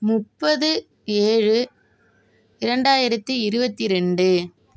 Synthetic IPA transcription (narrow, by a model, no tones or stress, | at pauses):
mʊpːɐðɯ | eːɻɯ | ɪɾɐɳɖaːjɪɾɐt̪ːɯɪɾɯbɐt̪ːiɾɛɳɖɯ